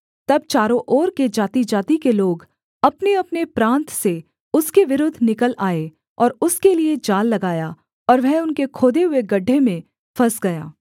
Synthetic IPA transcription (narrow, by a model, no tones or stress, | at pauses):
t̪ɐb̚t͡ʃaːɾõʔɔːɾked͡ʒaːt̪id͡ʒaːt̪ikeloːɡ | ɐpneɐpnepɾãːnt̪se | ʊskeʋɪɾʊːd̪ʱnɪkəlaːe | ɔːɾʊskelied͡ʒaːlːɐɡaːja | ɔːɾʋɛɦʊnkekʰoːd̪eɦʊeɡɐɖʱːemẽ | fɐsɡɐjaː